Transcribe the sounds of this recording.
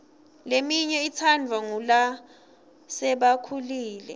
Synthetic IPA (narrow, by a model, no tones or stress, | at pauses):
lemiɲɛit͡sʰand͡vʱwaŋula | sɛɓakʰuliːlɛ